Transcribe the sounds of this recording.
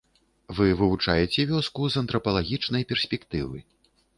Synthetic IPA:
vɨvɨvut͡ʂajɛt͡sʲɛvʲɔskuzɐnt̪ɾɐpɐlˠaɣʲit͡ʂnɐjpʲɛrsʲpʲɛkt̪ɨvɨ̰

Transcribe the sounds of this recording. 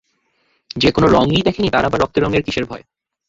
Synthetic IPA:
d͡ʑekonoɾɔŋɡid̪ɛkʰenit̪aɾabaɾɔk̚t̪eɾɔŋeɾkiʃeɾbʱɔe

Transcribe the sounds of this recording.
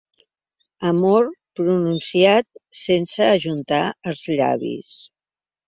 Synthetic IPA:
əmoɾpɾununsiat̪̚sensəːʒunt̪aəlˠzʎa̰βḭs

